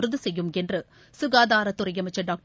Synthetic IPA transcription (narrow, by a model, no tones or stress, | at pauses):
ɾɯðɯsɛjːɯmɛndrɯ | sʊɣaːðaːɾɐt̪ːʊrɐjɐmɐɪt͡ʃːɐɖaːk̚ʈ